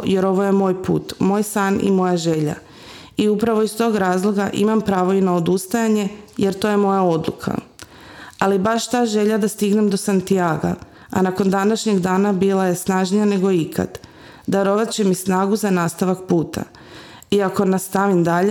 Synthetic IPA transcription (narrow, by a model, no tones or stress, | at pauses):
je̞ɾo̞ʋo̞je̞mo̞ːjpṵːt̪mo̞ːjsaːnḭmo̞jaʒe̞ʎa̰ | iupɾaʋo̞ist̪o̞ːɡɾaːzlˠo̞ɡaʔḭmampɾaːʋo̞inao̞d̪ust̪ajaɲe̞je̞ɾt̪o̞je̞mo̞jao̞d̪lˠṵkʰa̰ | alibaʃt̪aːʒe̞ʎad̪ast̪iɡne̞md̪o̞sant̪ijaːɡa̰ | a̰nako̞nd̪anaʃɲe̞ɡd̪aːnabilaje̞snaʒnijane̞ɡo̞ikʰa̰d̪ | d̪aɾo̞ʋat̪t͡ɕe̞misnaːɡuzanaːst̪aʋakpuːt̪ʰa̰ | iako̞nast̪aʋimd̪aʎe